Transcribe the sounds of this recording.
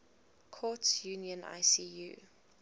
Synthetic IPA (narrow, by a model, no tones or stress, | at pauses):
kʰɔtjuːniə̃na̰ɪsiːjṵː